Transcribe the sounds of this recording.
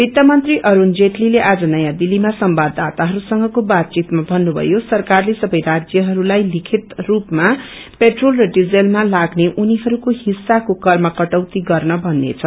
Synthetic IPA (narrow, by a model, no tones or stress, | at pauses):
bit̪jamʌnt̪riʔʌɾund͡zeʈlileʔad͡zʌnʌjãd̪ilːimasʌmbad̪at̪aɦʌɾusʌŋɡʌkobat̪̚t͡sit̪mabʱʌnːubʱʌ̰josʌrkarlesʌbʌjrad͡zjʌɦʌɾulajlikʰit̪rupma | peʈrolrʌɖid͡zelmalaɡneʔuniɦʌɾukoɦisːakokʌrmʌkʌʈʌwt̪iɡʌrnʌbʱʌnːḛt͡sʰʌ